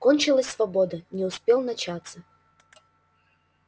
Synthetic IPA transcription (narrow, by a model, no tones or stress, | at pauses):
konʲt͡ɕɪlˠəsʲsvɐbod̪ənʲɪʊspʲelˠnɐt͡ɕat̪sə